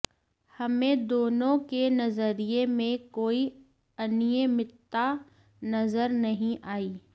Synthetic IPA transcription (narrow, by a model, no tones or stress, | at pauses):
hɐmẽd̪oːnõkenɐzəɾijemẽkoːi | ɐnijemɪt̪ːa | nɐzəɾnɐɦĩʔaːiː